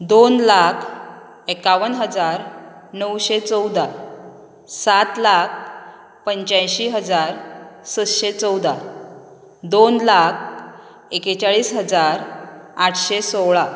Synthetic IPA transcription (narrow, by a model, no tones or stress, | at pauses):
d̪onlakʰ | ekaʋənɦəd͡zaɾnəwɕet͡səwd̪ʱa | sat̪lak̚ʰ | pəɲt͡ɕãjɕiɦəd͡zaɾsəd̪ɕet͡səwd̪a | d̪onlakʰ | ekt͡ɕaɭiːsɦəd͡zaɾaʈʰɕesoɭa